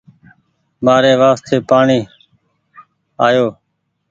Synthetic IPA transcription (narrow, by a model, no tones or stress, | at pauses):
maːɾeːʋaːst̪ʰeːpaːɳiː | aːjoː